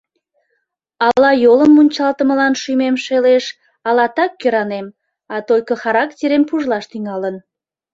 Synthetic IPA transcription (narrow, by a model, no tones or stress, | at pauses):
ɑlɑjoləmːunʲt͡ɕɑlt̪əməlɑnʃymemʃeleʃ | ɑlɑt̪ɑkːøɾɑnem | ɑt̪ojkəxɑɾɑkt̪ʲeɾempuʒlɑʃt̪yŋɑlən